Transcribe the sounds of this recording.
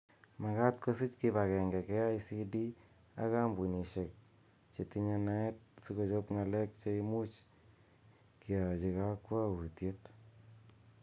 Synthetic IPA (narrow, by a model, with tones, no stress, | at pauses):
ma˨ka˦t̚ko˦si˦t͡ʃkiba˨kɛ˨ŋɡɛ˨kɛ˦a˦isi˦di˦ | a̰˦ka˦mbu˨ni˨ʃe˨k̚ | t͡ʃe˨ti˦ɲa˧na˦ɛ˦t̚si˦ko˧t͡ʃo˦pŋa˨lɛ˦k̚t͡ʃe˦imu˦t͡ʃ | kia˨t͡ʃi˨ka˦kwa˦u˨tje˦t